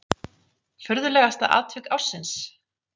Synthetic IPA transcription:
fʏɾðʏlɛɣast̪aʔa̰ːt̪vʏkawɾ̥sɪns

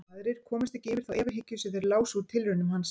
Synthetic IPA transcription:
aðɾɪɾ̥kʰɔːmɪst̪ɛcɪɪːvɪɾ̥θawʔɛːvaɾɦɪcːʏsɪðɛɾlaːwsuɾt̪ʰɪlɾʏnʏmhanːs

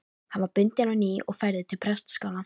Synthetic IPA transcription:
havaɾpʏnt̪jananiʔɔ̰ɣfajɾðɪt̪ʰɪlpʰɾɛst̪skawla

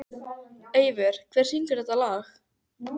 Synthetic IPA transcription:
eːjvɪɾ̥kʰvɛr̥siŋkʏɾ̥θɛt̪alaːx

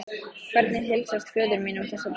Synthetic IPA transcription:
kʰvɛɾt̪nɪθɛlsast̪fœːðʏɾminʊmθɛsat̪

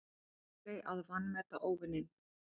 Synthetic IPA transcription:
ejʔaðvanːmɛt̪aʔoːwvʏnːɪ

